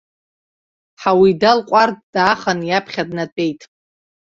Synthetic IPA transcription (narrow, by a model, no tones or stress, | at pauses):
ħawidalqʷʼarddaχanjapʰχʲadnatʼe̞jtʼ